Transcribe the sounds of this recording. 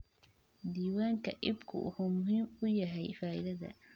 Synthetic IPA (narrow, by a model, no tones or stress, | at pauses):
d̪iːwaːŋkʰɐʔɪbkʰʊ̰ʔʊhʊmʊɦiːmʊjɐɦɛjfaːʔɪ̰ðɐðɐ̰